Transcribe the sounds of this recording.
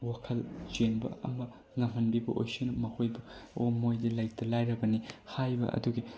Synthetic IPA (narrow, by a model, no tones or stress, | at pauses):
wakʰɐld͡ʒenbɐ̰ɐ̰mɐ | ŋɐmɐnbibɐʔo̰jsunɐmɐhojbɐomojdilɐjk̚tʰɐlajɾɐbɐnihajbɐ̰ʔɐ̰duɡi